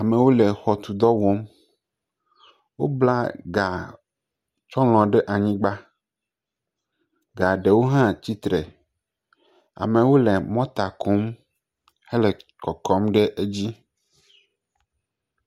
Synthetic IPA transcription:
a˨mẽ˨wo˦le˨xɔ˨t̪u˨d̪ɔ˦wɔ˦m | wo̰˦bla˦ɡa˨ | t͡ʃɔ˦l̃ɔ̃˨ɖe˦ʔa˨ɲĩ˦ɡ͡ba˦ | ɡa˨ɖe˨wo˦ɦã˦t͡ɕi˦t̪ɾɛ˨ | a̰˨mẽ˨wo˦lɛ˨mɔ̃˦t̪a˨kʰo˦m | hɛ˦lɛ˨kɔ˨kɔ˦mɖe˦ʔe˦d͡ʑi˦

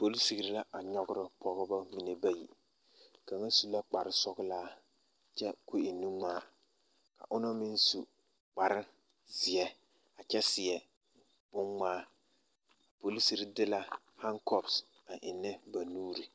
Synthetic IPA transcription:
po˨li˦si˨ɡi˨ɾi˦la˦ʔa˨ɲɔ˦ɡʊ˦ɾɪ˨pʰɔ˨ɣɔ˦ba˦mi˨ne˨ba˦jḭ˨ | ka˨ŋa˦su˨la˦k͡pa˨ɾɪ˦sɔ˦ɡʊ˦laː˦ | t͡ʃɛ˦ku˦ɪ˨ni˦ŋ͡maː˦ | ka̰˨ʔʊ˦nɔ˦mɪ˦n˦su˨ | k͡pa˨ɾɪ˦ | zɪ˨ɛ˦ | a˨t͡ʃɛ˦sɪ˨ɛ˨ | b̥ʊ˦ŋŋ͡maː˦ | a˨po˨li˦si˦˨ɾi˦dɪ˦la˦ | ha˦ŋkɔ˦bs | a˨ʔɪ˨nːɪ˦ba˨nuː˦ɾi˨

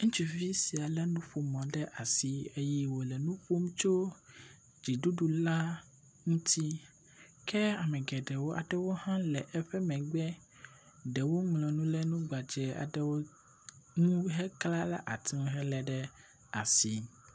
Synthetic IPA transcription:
ŋũ˦t͡ʃu˨vi˦si˨a˨lɛ˦nũ˦ɸo˨mɔ̃˨ɖɛ˦ʔa˨si˨e˦ji˦wo˨lɛ˨nũ˦ɸo˦m˦t͡ʃo˦ | d͡ʒi˨ɖu˦ɖu˨la˦ | ŋũ˦t̪ʰi˦ | kɛ˦a˨mɛ̃˨ɡɛ˨ɖɛ˨wo˦ʔa̰˨ɖɛ˦wo˦hã˦lɛ˨ʔɛ˦ɸɛ˦mɛ̃˨ɡ͡bɛ˦ | ɖɛ˨wo˦ŋlɔ̃˨nũ˦lɛ˦nũ˦ɡ͡ba˨d͡ʒɛ˨a̰˨ɖɛ˦wo˦ | ŋũ˦ɦɛ˦kla˦la̰˦ʔa˨t̪i˦ɦɛ˦lɛ˨ɖɛ˦ | a˨si˨

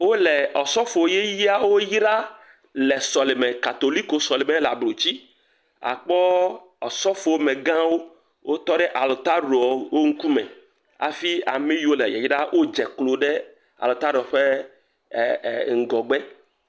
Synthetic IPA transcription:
wo˦lɛ˨ɔ˨sɔ˦fo˨o˦je˦ji˦a˦wo˦ji˦ɖa˦ | lɛ˨sɔ˨le˨mɛ̃˨ka˨t̪o˨li˦ko˨sɔ˨le˨mẽ˦la˨blo˨t͡ɕi˦ | a̰˨k͡pɔ˦ | ɔ̰˨sɔ˦fo˨wo˦mẽ˨ɡã˦wo˦ | wʔo˦t̪ɔ˦ɖɛ˦ʔa˨lo˨t̪a˦ɖo˨ɔ˨wo˦ŋ̩˦ku˦mɛ̰̃˨ | a̰˨fi˦a̰˨mẽ˦ji˦wo˦lɛ˨jɛ̰˨ji˦ɖa˦wʔo˦d͡ʒɛ˨klo˨ɖɛ˦ | a̰˨lo˨t̪a˦ɖɔ˨ɸe˦˨ | ŋ̩˨ɡɔ˨ɡ͡bɛ˦

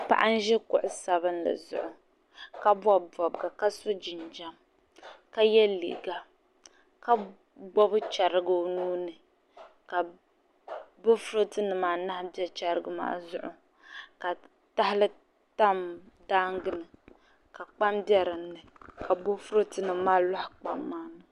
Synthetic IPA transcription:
pa̰˦ʔa˦n̩˦ʒɛ˦kʊ˨ʔʊ˨sa˨βɨ˦nla̰˨zʊ̰˦ʔʊ˨ | ka˦bɔ˦bb͡vɔ˨bɡa˨ka˦so˦d͡ʒɪ˨nd͡ʒa˦m | ka˦jɛ˦lḭ˨ɡa˨ | ka˦ | bɔ˦bɨ˦t͡ʃa˨ɾɨ˦ɡo˦nuː˦nɨ˨ | ka˨ | bʊ˦fʊ˦ɾo˦tɨ˦nɨ˨maː˨na˦hbɛ˦t͡ʃa˨ɾɨ˨ɡɨ˨ma̰ː˦zʊ˦ʔʊ˨ | ka˨ | ta˦ɦɪ˦lɨ˦ | ta˦m | daː˦ŋɡɨ˦nɨ˨ | ka˨k͡pa˦mbjɛ˦ɾɨ˨nːɨ˨ka˨bo˦fʊ˦ɾɨ˦tɨ˦nɨ˨maː˦lɔ˦hk͡pa̰˨mːaː˦nɨ˨

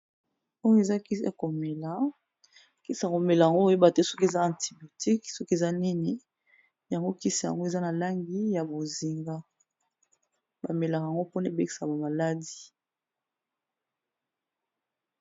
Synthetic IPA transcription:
o˦ŋ˦e˨za˦ki˦a˨ko˨me˨la˨˦ | ki˦si˨a˨ko˨me˨la˨ja˨ŋɡo˦o˨je˦ba˨te˦sɔ˦ke˨za˦ã˨nti˨bjo˨ti˦ksɔ˦ke˨za˦ni˦ni˦ | ja˨ŋɡo˦ki˦si˨ja̰˨ŋɡo˦e˨za˦na˨la˦ŋɡi˦ja˨bo˨zi˨ŋɡa˦ | ba˨me˨la˨kja˨ŋɡo˦pu˦na˦˨be˦ki̥˨sa˨ba˨ma˨la˦di˨

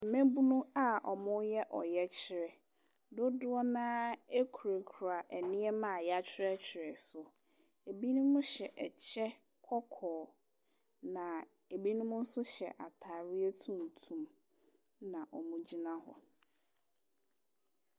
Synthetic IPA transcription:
m̩˨mẽ˦bu˦nũ˦a˦ʔɔ˨mʊ̃˦jɛ˦ʔɔ˨jɛ˦t͡ɕʰɪ˨ɾɛ˨ | dʊ˦dʊ˦ɔ˦nãː˦e˦kʰu˨ɾe˨kʰu˨ɾa˨ʔɛ˨nɪ̃˦ɛ˦mã˨ja˦t͡ɕʰᶣɪ˦ɾɛ˦t͡ɕʰᶣɪ˨ɾɛ˨sʊ˨ | e˨bi˦nũ˦mʊ̃˦ɕɛ˨ʔɛ˨t͡ɕʰɛ˦ | kʰɔ˦kʰɔː˨ | nã˨ | e˨bi˦nʊ̃˦mʊ̃˦n̩˦sʊ˦ɕɛ̰˨ʔa˨tʰaː˨ɾɪ˦e˦tʰũ˦n˨tʰũ˨m | nã˨ʔɔ˨mũ˦d͡ʑi˦nã˦hɔ̰˨

